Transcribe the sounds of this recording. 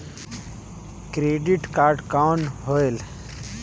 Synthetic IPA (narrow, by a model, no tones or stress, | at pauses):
kɾeɖiʈkaːɾɖkawɳɦoel